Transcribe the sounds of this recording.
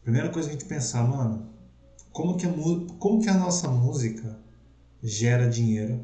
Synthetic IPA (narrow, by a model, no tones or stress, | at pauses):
pɾimejɾɐkojzɐʒẽnt͡ʃɪ̥pẽsaɾmɐ̃nʊ | kõmʊkɪɐmuzkõmʊkɪɐnɔsɐmuzikʰɐ | ʒɛɾɐd͡ʒĩɲejɾʊ